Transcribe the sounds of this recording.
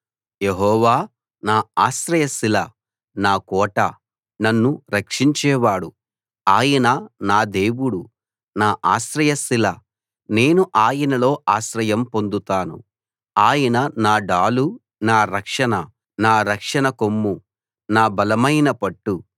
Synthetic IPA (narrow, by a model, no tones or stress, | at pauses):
jeɦɔːʋaː | naːaːsɾɐjɐsilɐ | naːkɔːʈɐ | nɐnːuɾɐkʂiɲt͡ʃɛːʋaːɽu | aːjɐnɐnaːd̪e̞ːʋuɽu | naːʔaːʃɾɐjɐsilɐ | ne̞ːnuʔaːjɐnɐlo̞ːʔaːʃɾɐjɐmpo̞nd̪ut̪aːnṵ | aːjɐnɐnaːɖaːlu | naːɾɐkʂɐnɐ | naːɾɐkʂɐnɐkomːu | naːbɐlɐmɐjnɐpɐʈːu